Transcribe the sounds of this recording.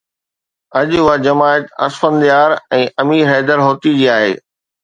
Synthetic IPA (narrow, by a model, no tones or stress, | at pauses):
ɐd͡ʑʊɦad͡ʑɐmaːɪət̪ɐ̰sfənd̪ijaːɾɛ̃ːʔɐmiːɾɦɛːd̪əɾɦoːt̪id͡ʑiːaːɦḛː